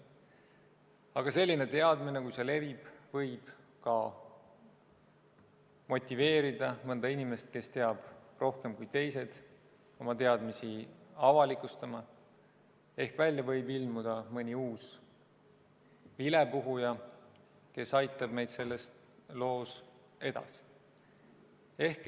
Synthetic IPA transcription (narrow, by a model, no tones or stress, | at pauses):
ɑɡ̥ɑse̞lːine̞t̪e̞ɑd̪mine̞kujsele̞vib̥vɤjb̥ | kɑ | mo̞t̪ʲːˑive̞ːɾid̪̥ɑmɤnd̪ɑinʲime̞st̪̚ke̞st̪e̞ɑb̥ro̞hke̞mkujt̪e̞jse̞d̪̥ | o̞mɑt̪e̞ɑd̪misiɑvɑlikˑust̪ɑmɑ | e̞hkvælʲːjɑvɤjbilmud̪̥ɑmɤnʲiuːs | vilepuɦujɑ | ke̞sɑjt̪ːˑɑb̥me̞jd̪̥se̞lːest̪ | lo̞ːs | e̞d̪̥ɑ̰si̥ | e̞hk